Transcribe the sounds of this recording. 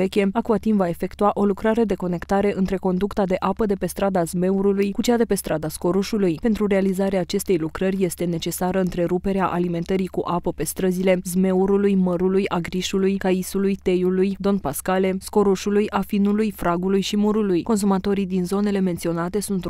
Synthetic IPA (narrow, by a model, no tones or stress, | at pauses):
e̞kʲe̞akuat̪impvae̞fe̞kt̪uaʔo̞lukɾaɾe̞d̪e̞ko̞ne̞kt̪aɾe̞ʔɨnt̪ɾe̞ko̞nd̪ukt̪ad̪e̞ʔapəd̪e̞pe̞st̪ɾad̪azme̞uɾulujkut͡ʃead̪e̞pe̞st̪ɾad̪asko̞ɾuʃulujpe̞nt̪ɾuɾe̞alizaɾeaːt͡ʃe̞st̪e̞jlukɾərʲje̞st̪e̞ne̞t͡ʃe̞saɾəɨnt̪ɾe̞ɾupe̞ɾeaʔalime̞nt̪əɾikuʔapəpe̞st̪ɾəzile̞zme̞uɾulujməɾulujaɡɾiʃulujkaisulujt̪e̞julujd̪o̞npaskale̞sko̞ɾuʃulujʔafinulujfɾaɡulujʃimuɾulujko̞ns̬umat̪o̞ɾid̪inzo̞ne̞le̞me̞nt̪sio̞nat̪e̞sunt̪